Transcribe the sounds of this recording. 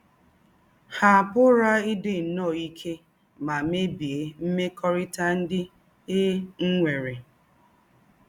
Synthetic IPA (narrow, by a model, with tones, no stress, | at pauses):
ha˨pʊ˦ɾa˦i˦dɪ˨n̩˨nɔ˦˨i˦kʰe˦ | ma˨me˦bi˨e˨m̩˦me˦kʰɔ˦ɾɪ˦ta˦n̩˦dɪ˦ | e˦ŋ̩˦ŋʷe˨ɾe˨